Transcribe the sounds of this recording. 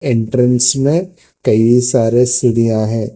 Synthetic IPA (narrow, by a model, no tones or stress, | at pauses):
ẽɳʈɾə̃nsmẽ | kɐiisaːɾesʊɽijãɦɛ̃ː